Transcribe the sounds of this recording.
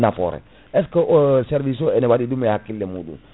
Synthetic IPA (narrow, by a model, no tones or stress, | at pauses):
nafɔ̰ɾɛ̰ | ɛskəʔosɛɾvis̬oɛnɛwadidumejakilːemudṵ